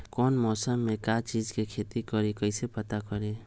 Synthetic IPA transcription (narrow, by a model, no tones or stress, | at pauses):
kɔnmɔːsəmːekat͡ʃid͡ʒkekʰet̪ikɔɾekəɪsepət̪akɔɾe